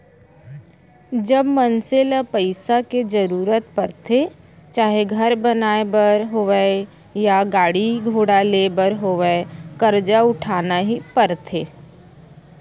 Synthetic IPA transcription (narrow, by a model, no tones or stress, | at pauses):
d͡ʒəbmənselapəɪsaked͡ʒəɾuːɾət̪pɐɾt̪ʰe | t͡ʃaːɦeɡʱəɾbənaːebəɾɦoʋɛe | jaɡaːɽiɡʱoːɽaleːbəɾɦoːʋɛekɐɾd͡ʒaʊʈʰaːnaɦipəɾt̪ʰeː